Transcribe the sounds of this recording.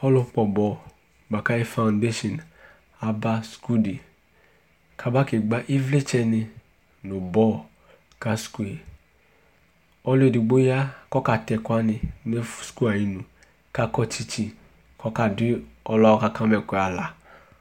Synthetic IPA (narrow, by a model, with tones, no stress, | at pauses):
ɔ˦lo˦k͡pɔ˨bɔ˦˨ | ɡ͡ba˨ka˦e˦fã˨nde˦ʃɔ˨n | a˨ba˦sku˦di˨ | kʰa˨ba˦ke˨ɡ͡ba˦ʔi˦vle˦t͡ʃɛ˦nɪ˧ | nʊ˨bɔ˦˨ | ka˦sku˦e˨ | ɔ˦le˦˨di˨ɡ͡bo˦ja˦kɔ˦ka˨tɛ˨kʷa˦nɪ˨ne˦fsku˦a˨i˦nu˨ | ka˦kɔ˦t͡ʃi˦t͡ʃi˦ | kɔ˦ka˨dɪ˦ɔ˦lɔ˦ɔ˦ka˨ka˦mɛ˨kʷe˨a˨la˨